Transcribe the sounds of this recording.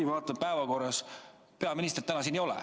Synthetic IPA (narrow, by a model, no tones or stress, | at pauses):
ivɑːt̪ːˑɑpæevɑko̞rːɑs | pe̞ɑminist̪ert̪ænɑs̬iːnejo̞lɛ̰